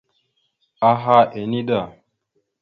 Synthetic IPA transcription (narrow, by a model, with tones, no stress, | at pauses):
a˦ɦa˦ʔe˨ni˦da˨